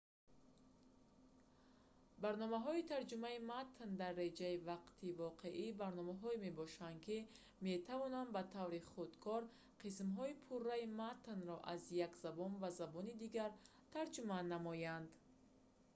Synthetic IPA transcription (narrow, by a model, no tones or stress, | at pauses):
baɾnɔmaɦɔit̪ʰaɾd͡ʒumaimat̪nd̪arːe̞d͡ʒaivaqt̪ʰivɔqʰe̞ʔibaɾnɔmaɦɔime̞bɔʃanki | me̞t̪ʰavɔnanbat̪ʰavɾiχud̪kʰɔɾ | qʰis̬mɦɔipʰurːaimat̪nɾɔʔazjakzabɔnvazabɔnid̪iɡaɾ | t̪ʰaɾd͡ʒumanːamɔjand̪